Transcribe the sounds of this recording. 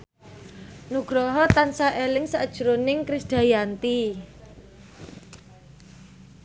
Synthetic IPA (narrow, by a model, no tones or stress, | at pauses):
nuɡ̥ɾɔɦɔt̪ansaʔelɪŋsad̥ʒ̥uɾonɪŋkɾisd̪̥a̤jant̪i